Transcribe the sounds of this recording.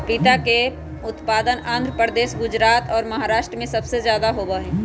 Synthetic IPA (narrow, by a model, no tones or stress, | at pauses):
pɪt̪ake | ʊt̪paːd̪ənãːnd̪ʱɾəpəɾd̪eːʃɡʊd͡ʒɾaːt̪ɔːɾmɐɦaːɾaːʃʈɾəmẽsɐbsezjaːd̪aɦoːbəɦɛ̃ː